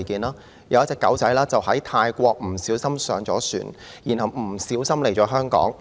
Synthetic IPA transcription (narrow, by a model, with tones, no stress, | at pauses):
kiː˨˧nlaː˥ | jɐ̰˨˧wɐ˥t͡sɛː˧kːɐ˨˥wt͡sɐ˨˥jlaː˥t͡sɐ˨whɐ˨˥jt̪ʰaː˧jkʷɔː˧k̚m̩˨˩siː˨˥wsɐ˥msœː˨˧ŋt͡sɔː˨˥sy̰ː˨˩njiː˨˩nhɐ˨wm̩˨˩siː˨˥wsɐ˥mle˨˩jt͡ʃɔː˨˥ɦœː˥ŋkɔ̰ː˨˥ŋ